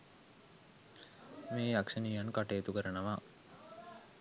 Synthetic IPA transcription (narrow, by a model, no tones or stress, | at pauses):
meːjakʂəniːjankaʈeːt̪ukəɾənəʋa